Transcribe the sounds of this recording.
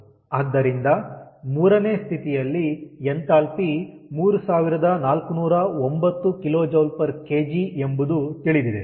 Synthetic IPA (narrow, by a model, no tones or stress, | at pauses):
ɐd̪ːɐɾind̪ɐmuːɾɐne̞ːst̪ʰit̪ijɐlːient̪aːlpimuːɾusaːʋiɾɐd̪ɐnaːlkunuːɾɐo̞mbɐt̪ːukiloːd͡ʒɐʋlpɐɾke̞ːd͡ʒie̞mbud̪ut̪iɭid̪id̪e